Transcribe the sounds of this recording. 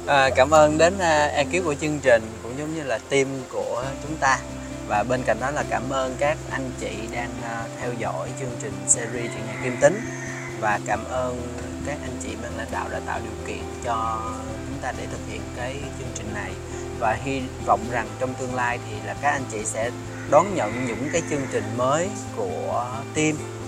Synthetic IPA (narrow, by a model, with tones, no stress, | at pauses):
ʔaː˨˩kaː˧˩mʔəː˧nɗe˨˦nː˧ʔɛ˧ki˦əp̚ku˧˩ət͡ɕɨ˧əŋt͡ɕï˨˩ŋ̟kʊ̰˧˥ŋ͡mzɔ˨˦ŋ͡mɲɨ˧laː˨˩t̪i˧mku˧˩ət͡ɕʊ˨˦ŋ͡mt̪aː˧ | vaː˨˩ɓe˧nka̰˧˩jŋ̟ɗɔ˨˦laː˨˩kaː˧˩mʔəː˧nkaː˦˥k̚ʔa˧jŋ̟t͡ɕḭ˧˨ɗaː˧ŋː˧t̪ʰɛ˧wzɔ̰˧˥jt͡ɕɨ˧əŋt͡ɕï˨˩ŋ̟sɛ˧zi˧t͡ɕṵ˧˨ɲa˧ki˧mt̪ï˨˦ŋ̟ | vaː˨˩kaː˧˩mʔəː˧n | kaː˦˥k̚ʔa˧jŋ̟t͡ɕḭ˧˨ma˨˩nla̰ː˧˩nɗa̰ː˧˨wɗa̰ː˧˩nt̪aː˧˨wɗi˨˩əwkḭ˧˨ənt͡ɕɔ˧ | t͡ɕʊ˨˦ŋ͡mt̪aː˧ɗe˧˩t̪ʰɨ˨˩k̚hḭ˧˨ənkaː˨˦j | t͡ɕɨ˧əŋt͡ɕï˨˩ŋ̟na˨˩j | vaː˨˩ɦi˧ | vɔ̰˧˨wŋ͡mza˨˩ŋt͡ɕɔ˧wŋ͡mt̪ɨ˧əŋlaː˧jt̪ʰi˨˩laː˨˩kaː˦˥k̚ʔa˧ŋ̟t͡ɕḭ˧˨sɛ̰˧˥ | ɗɔ˨˦nɲə̰˧˨nɲɨ̰˧˥ŋkaː˨˦jt͡ɕɨ˧əŋt͡ɕï˨˩ŋ̟məː˨˦j | ku˧˩ət̪i˧m